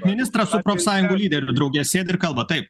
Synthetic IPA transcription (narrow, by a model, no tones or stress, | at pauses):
mʲɪnʲɪst̪ɾɑsʊpɾoːfʲsɑːjʊŋɡuːlʲiːd̪ʲɛɾʲʊd̪ɾɒʊɡʲɛsʲeːd̪ʲɪɾkɐlˠbɐt̪ɐɪp̚